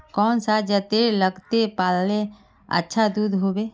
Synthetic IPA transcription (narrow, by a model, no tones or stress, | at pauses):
kɔːnsad͡ʒət̪eləɡt̪epaːlle | ə̰tːʃʰad̪uːd̪ʱɦoːbeː